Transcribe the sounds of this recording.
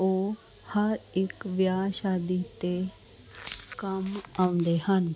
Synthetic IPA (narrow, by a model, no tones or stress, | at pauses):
oː | hɐɾɪkʋjaːʃaːd̪it̪e | kɐmãʊ̃nd̪eɦən